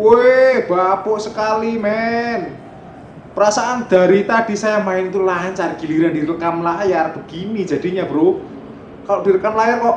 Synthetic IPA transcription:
eb̥apoʔsəkalimɛn | pəɾasaʔand̪̥a̤ɾit̪ad̥i̤sajamaɪnit̪ulaɲt͡ʃarɡ̥i̤liɾandiɾəkamlajarb̥ə̤ɡ̥ini̥d͡ʒ̥a̤d̥i̤ɲab̥əɾo | kaloʔd̥iɾəkamlajarkɔʔ

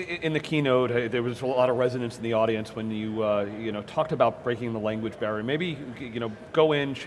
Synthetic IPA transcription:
ɪ̃nðɨkʰinoʊɾðə˞wʌzəllɔɾʌɹɛzɨɾɨ̃nsn̩ðiɔɾiɨ̃nswɨ̃njɨʌjɨñoʊtʰɔk̚tɨbaʊt̚b̥ɹeɪkɪ̃ŋðəlæ̃ŋɡwɨd͡ʒbɛɹimeɪbijɨñoʊ | ɡ̥oʊɪ̃n

